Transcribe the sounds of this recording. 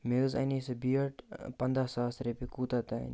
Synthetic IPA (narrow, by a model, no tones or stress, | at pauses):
mezɐ̰nisɐbiːɐʈpɐnd̪aːsaːsɾepikuːt̪at̪ɐ̰n